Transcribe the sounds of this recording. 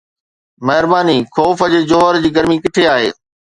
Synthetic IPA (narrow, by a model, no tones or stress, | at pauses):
mɐɦɪɾbaːnikʰɔːfəd͡ʑeːd͡ʑoːɦəɾd͡ʑiːɡɐɾmikɪʈʰeaːɦḛː